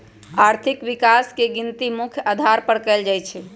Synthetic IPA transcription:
aɾt̪ʰikʋikaskeɡint̪imukʰjad̪ʱaɾpəɾkɛld͡ʒajt͡ʃʰɛ

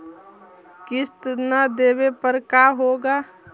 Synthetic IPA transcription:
kɪst̪nad̪eːwepəɾkaːɦoːɡaː

